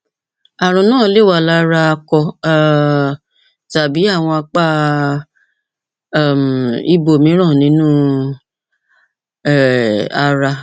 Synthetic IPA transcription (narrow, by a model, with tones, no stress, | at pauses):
a˨ɾ̃ũ˨nãː˦˨˦le˦˨wa˨la˦ɾa˧a˧kɔ˧˨ | ta˨bi˨˦a˦˨w̃ɔ̃˧a˧k͡pa˦˨ | m˨i˧˦bo˨mĩ˨˦ɾ̃ã˦˨nĩ˨˦nũː˦ | ɛ˦˨a˧ɾa˧